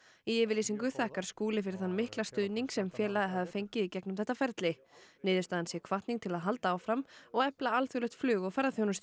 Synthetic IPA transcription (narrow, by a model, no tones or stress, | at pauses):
iɛːvɪɾliːsiŋkʏθɛhkaɾ̥skuːlɪfɪɾɪθanːmɪhklast̪ʏðniŋksɛmfjɛːlaðɪɦavɪfejɲcɪðicɛknʏmθɛht̪afɛɾt̪lɪ | nɪːðʏst̪aːðansjɛkʰvaht̪niŋt̪ʰɪlaðɦalt̪aːwfɾamɔɣɛplaalθjulœxt̪flʏːɣɔɣfɛɾðaθjownʏst̪